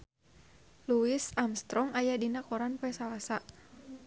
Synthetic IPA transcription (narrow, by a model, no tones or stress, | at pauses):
luisamst̪ɾɔŋajadinakɔɾanpɛsalasa